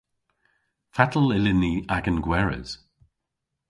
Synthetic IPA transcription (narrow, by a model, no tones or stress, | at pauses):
fatʰəlɪlɪniaɡənɡwɛɹə̰z̥